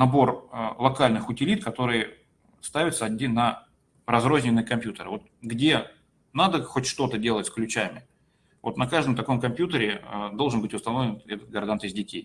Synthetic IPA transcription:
nɐbo̞rəlˠɐkalʲnɨxʊtʲɪlʲit̪kɐt̪o̞ɾɨjə | st̪avʲɪt̪səɐdʲinə | rɐzro̞zʲnʲɪnːɨjəkɐmpʲjut̪əɾɨvo̞t̪̚ɡdʲe̞ | nad̪əxotʲʂt̪o̞t̪ədʲe̞lˠətʲsklʲʉt͡ɕæmʲɪ | vo̰t̪nɐkaʐd̪əmt̪ɐko̞mkɐmpʲjut̪əɾʲɪəd̪o̞lˠʐɨnbɨtʲʊst̪ɐno̞vlʲɪnɛt̪ət̪̚ɡɐrd̪ant̪ɪzʲdʲɪtʲej

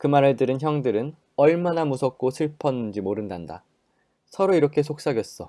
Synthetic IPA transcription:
kɯmaɾeɭdɯɾɯnçjʌŋdɯɾɯn | ʌɭmanamusʰʌk̚k͈osʰɯɭpʰʌnːɯnd͡ʑimoɾɯndanda̰ | sʰʌɾoiɾʌkʰe̞sʰok̚s͈aɡjʌs͈ʌ

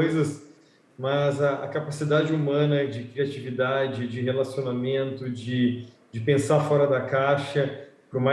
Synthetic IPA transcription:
jzɐs | mɐzɐɐkapasid̪ad͡ʒɪumɐ̃nɐd͡ʒɪkɾiat͡ʃivid̪ad͡ʒɪd͡ʒɪɦelasionamẽnt̪ʊd͡ʒɪ | d͡ʒɪpẽsafɔɾɐd̪ɐkaʃɐpɾʊma

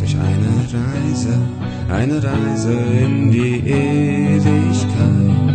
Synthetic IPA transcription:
d̥ʊɐçʔa̰ɪnəʁaɪzə | ʔa̰ɪnəʁaɪzəɪndiːʔeːlɪçkʰaɪ

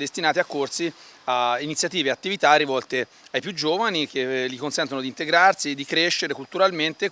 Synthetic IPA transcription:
d̪est̪inaːt̪iakːorsiainit̪sjat̪iːveat̪ːivit̪arːivɔlt̪e | ajpjud͡ʒːoːvanikelːikonsɛnt̪onod̪int̪eɡɾarsid̪ikɾeʃːeɾekult̪uɾalment̪e

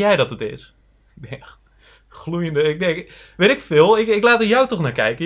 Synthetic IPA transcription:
jɛjdɔtətɪ̰s | ɛ | χlujəndəɪk̚dɛ | ʋejtɪkfɪːlˠɪkɪklaːtəjawtɔχnaːɹkɛ̰jkə

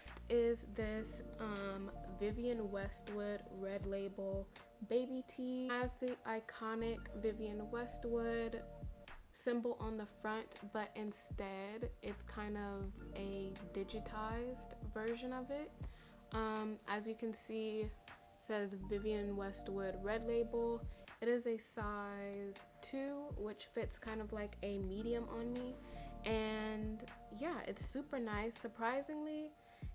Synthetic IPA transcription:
stɪzðɪsʌ̃mvɪviɨ̃nwɛst̚wʊd̚ɹɛdˡleɪbl̩ˠ | beɪbitʰiɨzðiʔaɪkʰɑnɪkvɪviɨ̃nwɛst̚wʊd̥ | sɪ̃mbl̩ˠʔə̃nðəfɹʌ̃ntb̥ʌɾʔɪ̃nstɛɾɪtskʰãɪ̃ndʌvɨdɪd͡ʒɨtʰaɪzdvɜ˞ʒɨ̃nʌvɪt̚ | ʔʌ̃mʔɨzjɨkʰɨ̃nsi | sɛzvɪviɨ̃nwɛst̚wə˞d̚ɹɛdˡleɪbl̩ˠɨɾɨzɨsaɪz̥tʰʉwɪt͡ʃfɪtskʰãɪ̃ndʌvlaɪkɨmiɾiɨ̃mʔə̃nmiʔɨ̃njæʔɪ̰tsʉpə˞naɪsə˞pʰɹ̥aɪzɪ̃ŋli

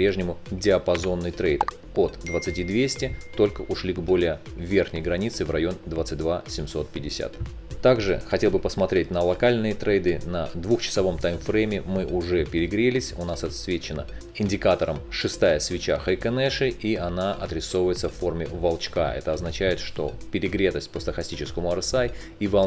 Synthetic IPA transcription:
ɐpɾʲeʐnʲɪmʊdʲɪɐpɐzo̞nːɨjt̪ɾejt̪ | ot̪d̪vət̪sɨtʲid̪vʲesʲtʲɪt̪o̞lʲkəʔʊʂlʲiɡbo̞lʲɪjə | vʲe̞rxnʲɪjɡɾɐnʲit̪sɨvrɐjo̞nd̪vat̪sɨt̚ʲd̪vasʲɪmso̞t̪̚pʲɪdʲːɪsʲa̰t̪ | t̪aɡʐɨ̰xɐtʲelˠbɨpəsmɐt̪ɾʲet̚ʲnəlˠɐkalʲnɨjət̪ɾɛjd̪ɨnɐd̪vuxt͡ɕɪ̥sɐvo̞mt̪ajmfɾɛmʲɪmɨʔʊʐɛpʲɪɾʲɪɡɾʲelʲɪsʲʊnasɐt̪svʲet͡ɕɪnə | ɪnʲdʲɪkat̪əɾəmʂɨst̪ajəsvʲɪt͡ɕaxɐjkənɛʂɨʔiɐnaʔɐt̪ɾʲɪso̞vəjɪt̪səfːo̞rmʲɪvɐlˠt͡ɕkaɛ̰t̪əɐznɐt͡ɕæjɪt̪ʂt̪o̞̰pʲɪɾʲɪɡɾʲe̞t̪əsʲt̚ʲpəst̪əxɐsʲtʲit͡ɕɪskəmʊɐɾsaj | ivɐ

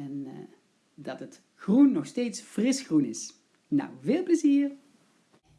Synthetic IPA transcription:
ɛn | dɑtət | xrunːɔxstejtsfrɪsxrunɪs | na̰wveːlˠpləziːr

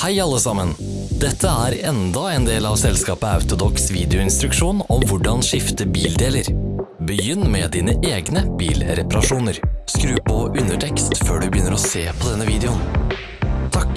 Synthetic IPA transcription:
hæɪɑlːəsɑmən | d̪ɛt̪ʰːəæːɾɛnd̪ɑɛːnd̪eːlɑːʋsɛlskɑːpəɑ̰ʉt̪ʊd̪ɔksʋiːd̪ɛɪʊɪnst̪ɾʉkʂuːnɔmʋʊɖɑnʂɪft̪əbiːld̪eːləɾbəjʏnːmɛd̪iːnəʔeːɡnəb̥iːlɾɛpɑɾɑʂuːnəɾskɾʉːpɔʔʉnːəʈʰɛkst̪føːɖʉbəjʏnːəɾɔseːpʰɔd̪ɛnːəʋiːd̪ɛʊn | t̪ʰɑk

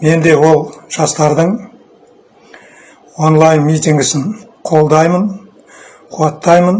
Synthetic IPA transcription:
me̞nd̪e̞wo̞lˠʒ̥ɑst̪ɑɾd̪əɴ | wonlˠɑjnmijt̪iŋɡʲɪsɪn | qʰo̞lˠd̪ɑjmən | qʰʊwɑt̪ːɑjmən

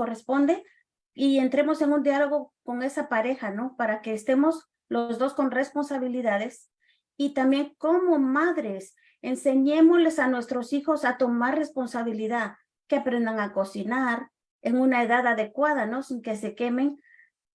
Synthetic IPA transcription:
ko̞respo̞nd̪e̞ | ie̞nt̪ɾe̞mo̞se̞ŋund̪jalo̞ɣoko̞ŋe̞sapaɾe̞xano̞paɾake̞ːst̪e̞mo̞s | lozðo̞sko̞nre̞spo̞nsaβiliðaðe̞s | it̪ambje̞ŋko̞mo̞maðɾe̞s | ense̞ɲe̞mo̞le̞sanwe̞st̪ɾo̞sixo̞sat̪o̞maɾre̞spo̞nsaβ̞iliðað | ke̞apɾe̞nd̪aŋako̞sinaɾ | eŋunae̞ðaðaðe̞kwaðano̞siŋke̞se̞ke̞me̞ŋ

